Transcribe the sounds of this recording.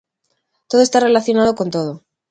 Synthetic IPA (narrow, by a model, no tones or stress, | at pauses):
t̪oðoest̪are̞laθjo̞naðoko̞nt̪oð̞o